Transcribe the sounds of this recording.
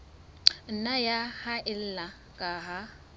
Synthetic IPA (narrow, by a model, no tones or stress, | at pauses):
n̩najahaʔɪl̩la | kʼaɦa